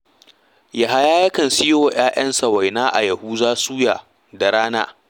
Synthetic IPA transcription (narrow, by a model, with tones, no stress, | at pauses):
ja˨ɦa˦jaː˦jɐ˦kɐ˨nsɪ˦wo˨j̰aː˦j̰ɐ˦nsa˨wa˨jnaː˦ʔa̰˨jɐ˨huː˦zaː˦suː˦jaː˨ | da˨ɽaː˦na̰ː˦